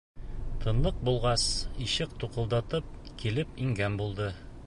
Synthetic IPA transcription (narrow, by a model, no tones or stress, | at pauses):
t̪ʰɤ̆nlˠɤq̚bulˠʁɑsiɕɘqt̪uqɤ̆lˠd̪ɑt̪ɤp̚kilɘpiŋɡænbulˠd̪ɤ